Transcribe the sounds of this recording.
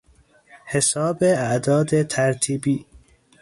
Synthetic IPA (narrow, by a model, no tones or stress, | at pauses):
hesɒːbeæʔd̪ɒːd̪et̪ʰæɾt̪ʰiːbiː